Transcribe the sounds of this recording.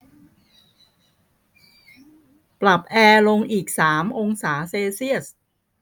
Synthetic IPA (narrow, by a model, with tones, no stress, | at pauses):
pla˨˩p̚ʔɛː˧lo˧ŋʔiː˨˩k̚saː˩˦mʔo˧ŋsaː˩˦seː˧si˥˩əs